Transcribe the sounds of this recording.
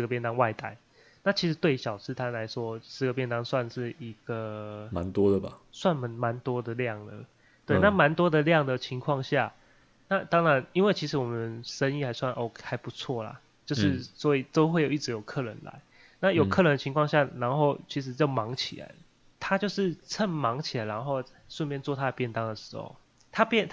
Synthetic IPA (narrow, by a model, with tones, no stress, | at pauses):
ʂ̩˧˥ɡə˩p̬jɛ˥˧nt̪ɑ˥ŋwa˥˩ɪt̪a̰˧˩ɪ | na˥˩t͡ɕʰi˧˥ʂ̬̩˧˥t̪we˥˩ɪɕjɑ˨˩ʊt͡s̩ʰ˥t̪ʰa˥nla˧˥ɪʂwɔ˦˥sɻ̩˧˩ɡə˩pjɛ˥˧nt̪ɑ˥ŋswa˥˧nʂɻ̩˥˩i˧˥ɡ̥ə˨ma̰˨˦nt̪wɔ˦d̪ə˨ba̰˨˩swa˥˩nmə˨˦nma˨˧˦nt̪wɔ˥d̪ə˨ljɑ˥˩ŋlə̰˩ | t̪we˥˩ɪna˥˩ma˧˦nt̪wɔ˥d̪ə˨ljɑ˥˨˩ŋd̪ə˨t͡ɕʰi˧˥ŋkʰwɑ˥˧ŋɕja˥˩ | na˥˨t̪ɑ˥ŋɻa˧˦ni˥nwe˥˩ɪt͡ɕʰi˧˥ʂɻ̩˧˦wɔ˨˩mə˨˦nʂə˦ni˥˩xa˧˥ɪswa˥˩nʔɔ˥˩ha˧˥ɪpu˧˦t͡sʰwɔ˥˩la̰˨˩ | t͡ɕjo˥˧ʊʂɻ̩˥˧sɔ˧˦˥i˨˩t̪o˥ʊxwe˥˩ɪjo˨˩i˥˩ɻ̩˧˥jo˨˩ʊkʰɤ˥˨ɻə̰˧˦nla̰˧˦ɪ | na˥˩jo˨˩ʊkʰɤ˥˨ɻə˧˦nd̪ə˨t͡ɕʰi˧˥ŋkʰwɑ˥˧ŋɕja˥˩ɻa˧˥nxo˥˩ʊt͡ɕʰi˧˥ʂ̬ɻ̩˧˥t͡ɕjo˥˩ʊmɑ˧˦˥ŋt͡ɕʰi˨˩la̰˧˦ɪ | t̪ʰa˥t͡ɕjo˥˧ʊʂɻ̩˥˧t͡sʰə˥˩nmɑ˧˥ŋt͡ɕʰi˨˩la˨˦ɪɻa˧˦nxo˥˧ʊa˥ʂə˥˧nmjɛ˥˧nt͡swɔ˥˨˩t̪ʰa˥ə˨˩pjɛ˥˧nt̪ɑ˦ŋd̪ə˨˩ʂɻ̩˧˥xo̰˨˩ʊ | t̪ʰa˥pjɛ˥˨nt̪ʰ